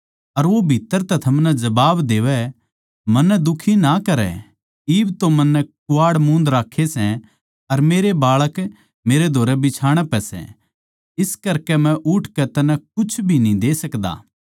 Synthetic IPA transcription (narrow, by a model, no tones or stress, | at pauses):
ɐɾʋobʱit̪ːəɾt̪ɛt̪ʰɐmnɛd͡ʒɐbaːbd̪eːʋɛ | mɐ̃nːɛd̪ʊkʰinakɐɾɛ̰ | iːbt̪omɐnːɛkʊaːɽmũːnd̪ɾaːkʰːesɛ̃ | ɐɾmeːɾebaːɭək | meːɾed̪ʱoːɾɛbɪt͡ʃʰaːɽ̃ɛpɛsɛ̰̃ | ɪskɐɾkɛmɛ̃ʔʊʈʰkɛt̪ɐnɛ̃kʊt͡ʃʰbʱinĩd̪eːsɐkd̪a̰ː